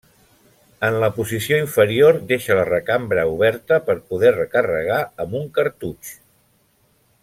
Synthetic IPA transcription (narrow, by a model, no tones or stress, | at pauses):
ənləpuzisioiɱfəɾioɾd̪eʃələrəkambɾəuβ̞ɛɾt̪əpəɾpuðɛrəkərə̰ɣ̞aəmuŋkəɾt̪ut͡ʃ